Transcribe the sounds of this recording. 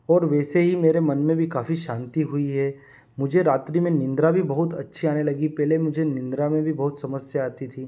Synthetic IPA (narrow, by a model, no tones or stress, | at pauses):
ɔːɾʋɛːseɦimeːɾemɐnmẽbʱikaːfiʃãːnt̪iɦʊiɦɛː | mʊd͡ʒʱeɾaːt̪ɾimẽnɪ̃nd̪ɾabʱibɐɦʊt̪ɐ̰tːʃʰiaːnelɐɡipɛːlemʊd͡ʒʱenɪ̃nd̪ɾamẽbʱibɐɦʊt̪sɐməsjəaːt̪it̪ʰiː